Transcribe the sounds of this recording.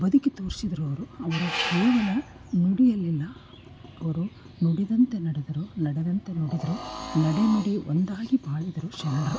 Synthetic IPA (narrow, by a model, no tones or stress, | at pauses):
bɐd̪ukːit̪oːɾsid̪ɐɾuɐʋɐɾuɐʋɐɾuheːʋɐnu | nuɽijɐlːilːɐ | ɐʋɐɾu | nuɽid̪ɐnt̪e̞nɐɽed̪ɐɾunɐɽed̪ɐnt̪e̞nuɽid̪ɐɾunɐɽinɐɽiʔo̰nd̪aːɡibaːɭid̪ɐɾuʃɐnɐɖɐɾu